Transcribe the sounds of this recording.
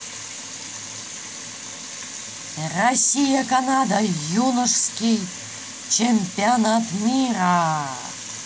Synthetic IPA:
rosʲijakanɑd̪ɑjunəʂskʲij | t͡ɕemʲpʲionat̪mʲirɑ

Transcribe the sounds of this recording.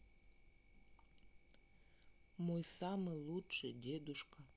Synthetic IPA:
mojsɑmɨjlˠutʃɨ̰jd̪ʲed̪uʃka

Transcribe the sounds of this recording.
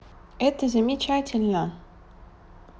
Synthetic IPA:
ɛt̪əzəmʲɪt͡ɕætʲɪlʲnə

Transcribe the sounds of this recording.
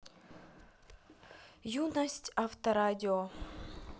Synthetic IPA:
junɐsʲtʲaft̪ɐɾadʲɪo

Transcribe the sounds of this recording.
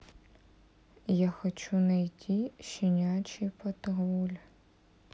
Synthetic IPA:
jaxɔt͡ʃunɐjtʲʰɪʃinʲat͡ʃijpɐt̪ɔɦʋɔlʲ

